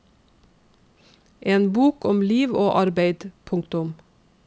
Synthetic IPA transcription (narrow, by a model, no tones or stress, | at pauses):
ʔeːnbuːkɔmliːʋoːʔɑɾbeɪd̪̥pʰʊŋt̪ʊm